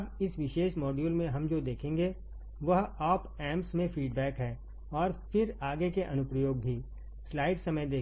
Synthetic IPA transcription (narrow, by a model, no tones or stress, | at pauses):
ɐbɪsʋɪʃeːʃmɔːɖjuːlmẽɦɐmd͡ʒoːd̪eːkʰẽːŋɡe | ʋɐɦaːpɛːmpsmẽfiːɖbɛːkɦɛː | ɔːɾfɪɾaːɡekeʔɐnʊpɾəjoːɡ̚bʱi | slaːɪʈsɐməjd̪eː